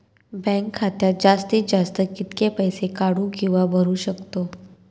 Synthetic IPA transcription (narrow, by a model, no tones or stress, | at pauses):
bɛ̃ŋkʰːat̪jad͡zast̪iːd͡ʑast̪əkit̪kepəjsekaɽuːkĩw̃ʋabʱəɾuːɕəkt̪o